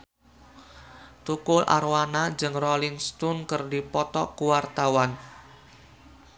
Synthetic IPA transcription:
t̪ukʊlʔa̰rwanad͡ʒɨŋrɔlɪŋst̪unkərdipɔt̪ɔkuwart̪awan

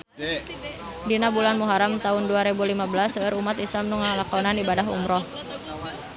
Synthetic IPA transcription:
dinabulanmuɦaɾamt̪aɦʊnduaɾebulimabəlasəəɾumat̪islamnuŋalakaonanibadaɦṵmɾɔh

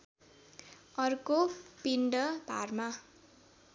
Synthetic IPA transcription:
ʌrkopiɳɖʌbʱa̰rma

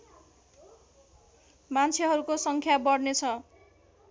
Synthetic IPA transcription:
mant͡sʰeɦʌɾukosʌŋkʰjabʌɽnet͡sʰʌ

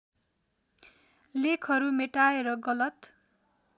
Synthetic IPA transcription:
lekʰʌɾumeʈaeɾʌɡʌlʌt̪

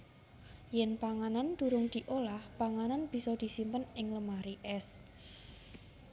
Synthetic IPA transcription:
jɛnpaŋanand̪̥uɾʊŋd̪̥i̤ʔolahpaŋananb̥i̤sɔd̪̥i̤simpənɪŋləmaɾiʔɛs

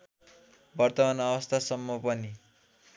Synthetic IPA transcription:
bʌrt̪ʌmanʌbʌst̪ʰasʌmːʌpʌni

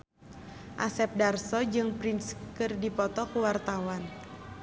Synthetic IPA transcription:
ʔa̰sɛp̚darsɔd͡ʒɨŋpɾinskɨrdipɔt̪ɔkuwart̪awan

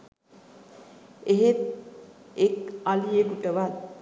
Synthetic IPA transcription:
eɦet̪̚ | ekalijekuʈəʋat̪

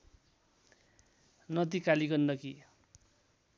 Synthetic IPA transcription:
nʌd̪ikaliɡʌnːʌki

